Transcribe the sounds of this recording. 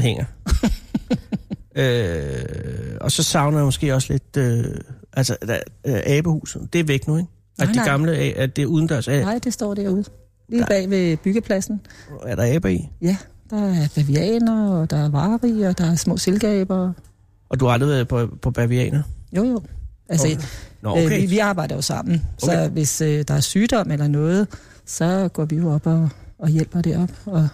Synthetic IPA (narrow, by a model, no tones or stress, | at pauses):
ɦeŋ̰ɐ | ø | ɒ̽sɒ̽sɑ̈ʊnɐdamɔ̽sɡ̥e̝̰ːɒ̽sle̝d̥øʔælsɐ̥ʔɛːb̥əhṵːsð̩ˠd̥e̝æɐʋeɡ̥̚d̥nueɡ̥ | ʔæd̥iɡ̥ɑ̈mləɛæd̥e̝uːð̞ˠn̩d̥ɶɐsɛnɑɪ̰d̥e̝sd̥ɒ̰ːd̥æɐ̰uð̞̩ˠ | liːb̥ɛ̰ːʋe̝b̥yɡ̥əpʰlæsn̩æɐɾ̥ɑ̈ɛːb̥ɐḭjæd̥ɑ̈æɐb̥æʋiɛ̰ːnɐɒd̥ɑ̈æɐʋɑ̈ːʁiɒd̥ɑ̈æɐsmɔ̰̽ːselɡ̥ɛ̰ːb̥ɐ | ʔɒd̥uhɑɑ̈ld̥ʁiʋeðˠpʰɒpʰɒ̽b̥æʋiɛ̰ːnɐjo̝̰jo̰ælsə | iʋiɑ̈ːb̥ɑ̈ɪ̰d̥ɐjo̝sɑ̈m̰n̩sɒʋe̝sød̥ɑ̈æɐsyːd̥ɒ̽m̰elɐnɔ̽ːð̞̩ˠ | sɒ̽ɡ̥ɒ̰ːʋijo̝ɒ̽b̥ɒ̽ːjel̰b̥ɐɾ̥eɐɒ̽b̥ɒ̽